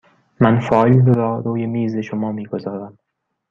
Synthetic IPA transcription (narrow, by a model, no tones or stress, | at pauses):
mænfɒːlɾɒːɾuːjemiːzeʃomɒːmiːɡozɒːɾæm